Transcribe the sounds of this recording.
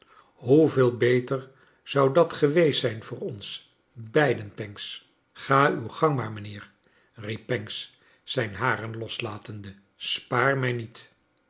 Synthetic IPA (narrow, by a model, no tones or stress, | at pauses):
ɦuvɪːlˠbejtəɹ | z̥ɑwdɑtχəʋejstsɛjnvʊːɹɔns | bɛjdənpɛŋks | χaːywχɑŋmaːɹmənɪːɹ | ripːɛŋks | sɛjnɦaːrənlɔslaːtəndə | spaːɹmɛjnit